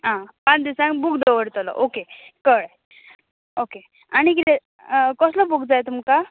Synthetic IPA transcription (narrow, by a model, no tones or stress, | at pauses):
ɦãpãt͡sd̪isãŋɡbukd̪əʋəɽt̪əlɔ̰ʔokekəɭ | oke | aɽ̃ik̬it̪ɛ | kɔsləbuɡd͡zajt̪umka